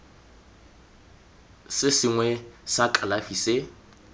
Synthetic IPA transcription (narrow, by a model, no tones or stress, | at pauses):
sɪsɪŋwɛsakʼalafisɪ